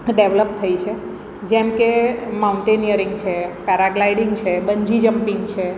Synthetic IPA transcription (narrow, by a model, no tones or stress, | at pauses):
ɖeʋləp̚t̪ʰəit͡ʃʰe | d͡ʒɛmkemauɳʈenijəɾiŋɡt͡ʃʰekaɾaɡlaiɽiŋɡt͡ʃʰebəɲd͡ʒid͡ʒəmpĩŋɡt͡ʃʰe